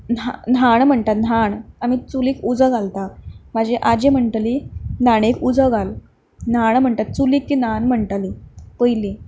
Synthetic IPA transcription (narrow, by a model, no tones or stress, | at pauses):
nanaɳm̤əɳt̪at̪̚naɳamit͡suliːkud͡zəɡalt̪amad͡ʑeʔad͡ʑem̤əɳʈ̪linaɽ̃ekud͡zəɡal | naɽm̤əɳʈ̪at̪̚t͡suliːkːinanm̤əɳʈalipəjli